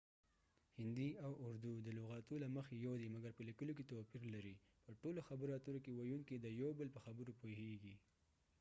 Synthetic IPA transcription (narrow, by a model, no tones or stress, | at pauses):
hɪnd̪iawʊɾd̪ud̪əloɣɑt̪ulaməxejawd̪emaɡaɾpəlikəloket̪awpiɾlaɾi | pəʈoloxabəɾɑt̪əɾokewajuŋkid̪əjawbəlpəxabəɾopoheɡi